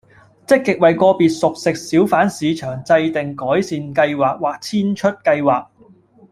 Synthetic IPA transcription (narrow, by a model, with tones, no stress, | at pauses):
t͡sɪ˥kːɪ˨k̚wɐ˨jkɔː˧piː˨t̚sʊ˨k̚sɪ˨k̚siː˨˥wfaː˨˥nsiː˨˧t͡ʃʰœː˨˩ŋt͡sɐ˧jt̪ɪ˨ŋkɔː˨˥jsiː˨nkɐ˧jwaː˨k̚waː˨˩k̚t͡sʰiː˥nt͡ʃʰɵ˥t̚kɐ˧jwaː˨k̚